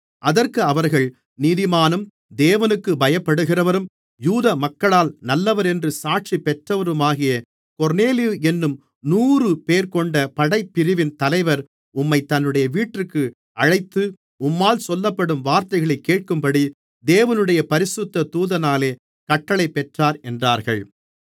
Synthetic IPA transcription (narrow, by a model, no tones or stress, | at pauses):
ʔɐðɐɾkɯɐʋɐɾɣɐɭ | niðɪmaːnɯm | d̪eːʋɐnɯkːɯbɐjɐpːɐɽɯɣɪrɐʋɐɾɯm | juːðɐmɐkːɐɭaːlnɐlːɐʋɐɾɛndrɯsaːʈ̚t͡ʃipɛʈrɐʋɐɾɯmaːɣɪjɐ | kɔɾneːlɪjuɛnːɯm | nuːrɯpeːɾkɔɳɖɐpɐɽɐɪpːɪɾɪʋɪnt̪ɐlɐɪʋɐɾ | ʊmːɐɪt̪ːɐnːɯɽɐjɐʋiːʈrɯkːɯ | ɐɻɐɪt̪ːɯ | ʊmːaːlsɔlːɐpːɐɽɯmʋaːɾt̪ɐɪɣɐɭɐɪkːeːʈ̚kɯmpɐɽi | d̪eːʋɐnɯɽɐjɐpɐɾɪsɯt̪ːɐt̪uːðɐnaːleː | kɐʈːɐɭɐɪpːɛʈraːɾɛndraːɾɣɐɭ